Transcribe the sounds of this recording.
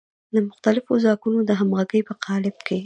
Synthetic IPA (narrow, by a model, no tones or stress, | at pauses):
d̪əmʊxt̪alɪfozɑkunod̪əɦamɣaɡəjpəqʰɑlɪb̚ke